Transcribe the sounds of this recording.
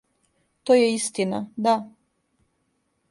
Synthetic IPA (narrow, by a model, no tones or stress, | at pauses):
t̪oːjeist̪inad̪a